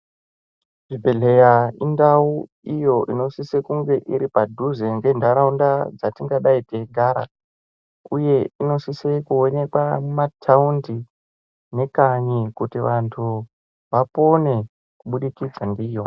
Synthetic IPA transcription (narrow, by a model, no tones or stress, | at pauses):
ʐibʱeɮe̞jaindau | ijo̞ʔino̞sisekuŋɡe̞ʔiɾipadʱuzeŋɡe̞ndaɾaundad͡zatiŋɡaɗaiteɡʱaːɾa̰ | uje̞ino̞sisekuone̞kwamatʰaundi | ne̞kaɲikutiʋantʰu | ʋapo̞ne̞ | kuɓuɗikid͡zandiːjo